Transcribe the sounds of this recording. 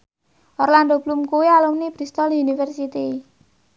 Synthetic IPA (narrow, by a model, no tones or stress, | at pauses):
ʔɔrland̪ob̥lumkuwialumnib̥ɾist̪ɔlunifɛrsit̪i